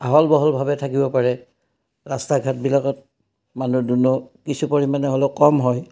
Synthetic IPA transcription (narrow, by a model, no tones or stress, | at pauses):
aɦɔlbɔɦɔlbʱabɛtʰakibɔpaɹɛ | ɹastaɡʱat̚bilakɔt̚ | manudunɔkisupoɹimanɛɦoleʊkɔmɦɔj